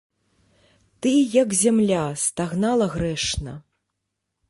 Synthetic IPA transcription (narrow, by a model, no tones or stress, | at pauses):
t̪ɨjɐkzʲamlʲast̪aɣnalˠɐɣɾɛʂnɐ